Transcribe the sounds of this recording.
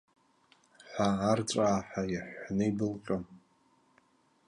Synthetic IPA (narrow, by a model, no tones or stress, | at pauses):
ħʷaːrt͡sʷʼaːħajaħʷnɨibɨlqʲʼam